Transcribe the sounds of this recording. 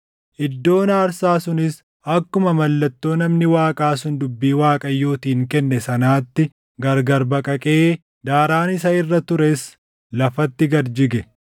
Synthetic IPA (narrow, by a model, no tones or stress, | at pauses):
ʔɪd̪ːo̞ːnaːɾsaːsʊnɪs | ɐkːʊmɐmɐlːɐt̪ːo̞ːnɐmnɪwaːkʼaːs̬ʊnd̪ʊbːiːwaːkʼɐjːoːt̪iːŋkɛnːɛsɐnaːt̪ːɪ | ɡɐɾɡɐɾbɐkʼɐkʼeː | d̪aːɾaːnɪs̬ɐɪrːɐt̪ʊɾes | lɐfɐt̪ːɪɡɐɾd͡ʒɪɡɛ